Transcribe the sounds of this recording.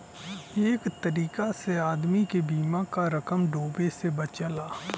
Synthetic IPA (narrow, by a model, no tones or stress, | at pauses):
eːkt̪əɾiːkaseaːd̪mikebiːmakaɾəkəmɖoːbesebɐt͡ʃəlaː